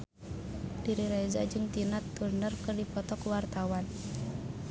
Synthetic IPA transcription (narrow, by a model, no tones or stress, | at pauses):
d̥iɾiɾɛza̰d͡ʒɨŋt̪inat̪ːurnərkɨrdipɔt̪ɔkwart̪awan